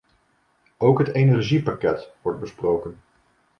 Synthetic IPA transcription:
owkɦətejnɛɹʒipakɛtʋɔɹt̚bəsprowkən

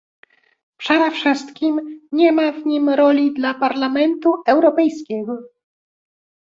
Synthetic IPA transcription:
pʂaɾafʂɘst̪kʲimɲɛmavɲimɾɔlʲid̪lapaɾlamɛnt̪uɛwɾɔpɛjskʲɛɡɔ

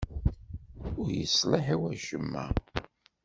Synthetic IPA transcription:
ʊɾjə̰sləħiwæʒ̥əmːæ̰

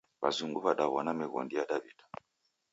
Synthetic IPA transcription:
βa̰zuŋɡuβaɗaβɔnamɛɣɔ̰ndijadaβidḁ

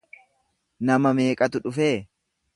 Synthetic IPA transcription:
nɐmɐme̞ːkʼɐt̪ʊᶑʊfeː

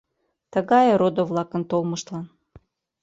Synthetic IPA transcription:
t̪əɣɑjɤɾod̪ŏvlɑkə̆nt̪olˠmɤʃt̪lɑn

